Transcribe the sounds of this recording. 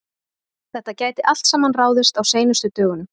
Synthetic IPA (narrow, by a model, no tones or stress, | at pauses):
θɛht̪acaːjt̪ɪʔal̥t̪saːmanraːwðɪst̪awseːjnʏst̪ʏt̪œːɣʏnʏ